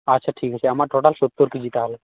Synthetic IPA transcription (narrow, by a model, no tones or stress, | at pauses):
atːʃʰaʈʰikɦat͡ʃʰeamaɾʈoʈalsot̪ːuɾked͡ʒit̪aɦle